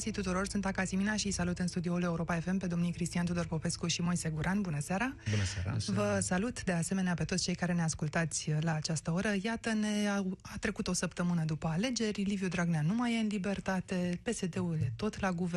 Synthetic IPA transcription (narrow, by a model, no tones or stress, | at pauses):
sit̪ut̪uɾo̞rsunt̪akasiminaʃijsalut̪ɨnst̪ud̪ioule̞uɾo̞pae̞fe̞mpe̞d̪o̞mnijkɾist̪iant̪ud̪o̞rpo̞pe̞skuʃimojse̞ɡuɾʔanbunəseaɾa | vəsalut̪d̪e̞ase̞me̞neape̞t̪osʲt͡ʃe̞jkaɾe̞ne̞askult̪at̪sʲlaːt͡ʃast̪əo̞ɾəjat̪əne̞aat̪ɾe̞kut̪o̞səpt̪əmɨnəd̪upəale̞d͡ʒe̞rʲlivjud̪ɾaɡneanumajeɨnlibe̞rt̪at̪e̞pe̞se̞d̪e̞uld̪e̞t̪o̞t̪laɡuve